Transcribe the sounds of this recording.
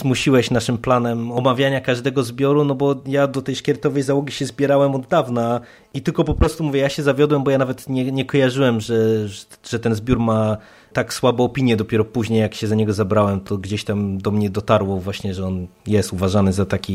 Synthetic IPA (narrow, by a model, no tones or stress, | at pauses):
zmuɕiwɛɕnaʂɘmplanɛmɔmavʲjaɲakaʐd̪ɛɡɔzbʲjɔɾunɔbɔjad̪ɔt̪ɛjʂkʲɛɾt̪ɔvɛjzawɔɡʲiɕɛzbʲjɛɾawɛmɔd̪ːavna | it̪ɘlkɔpɔpɾɔst̪umuvʲjɛjaɕɛzavʲjɔd̪wɛmbɔjanavɛt̪ɲɛɲɛkɔjaʐɘwɛmʐɛʐ̥ɛt̪ɛnzbʲjuɾma | t̪akswabɔ̃ːpʲiɲjɛd̪ɔpʲɛɾɔpuʑɲejakɕɛzaɲɛɡɔzabɾawɛmt̪ɔɡd͡ʑeɕt̪amd̪ɔmɲɛd̪ɔt̪aɾwɔvwaɕɲɛʐɛɔnjɛst̪uvaʐanɘzat̪akʲi